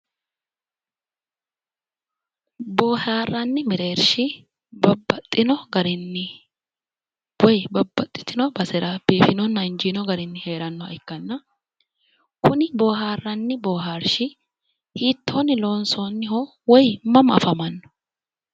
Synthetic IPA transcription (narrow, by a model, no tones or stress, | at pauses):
boːhaːrːɐnːɪmɪɾe̞ːɾʃɪ | bɐbːɐt̪ʼːɪnɔɡɐɾɪnːɪ | wɔjbɐbːɐt̪ʼːɪ̥t̪ɪnɔbɐsɛɾɐb̥iːfɪnɔnːɐɪnd͡ʒiːnɔɡɐɾɪnːɪhe̞ːɾɐnːɔɐ̰ɪkːɐnːɐ | kʊnɪboːɦaːrːɐnːɪboːɦaːɾʃɪ | hiːt̪ːoːnːɪlo̞ːnsoːnːɪho | wɔjmɐmɐ̰fɐmɐnːɔ̥